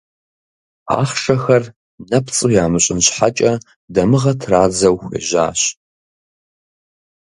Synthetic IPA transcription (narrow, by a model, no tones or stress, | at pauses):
a̰ːχʂɐxɐr | nɐpt͡sʼujaːmɨɕʼɪnɕħat͡ʃʼɐ | dɐmɨʁɐtʰraːd͡zɐwxʷɐ̰ʒa̰ːɕ